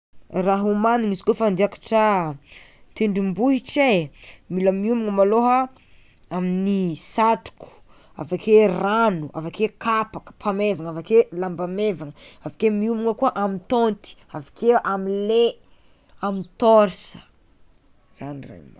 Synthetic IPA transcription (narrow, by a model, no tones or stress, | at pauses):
raɦumaniŋisi̥kofand̪iakḁʈ͡ʂə | t̪eɳɖ͡ʐimbuɦiʈ͡ʂemiləmiumuŋəmaloɦə | aminisaʈ͡ʂu̥ku̥ | a̰vakʰeranuʔa̰vakekʰapakə̥pʰamevaŋavakelambamevaŋəavakemiumuŋəkuaʔamit̪ont̪i̥avakeʔamile | amit̪oɾsə̥ | z̥anirḛma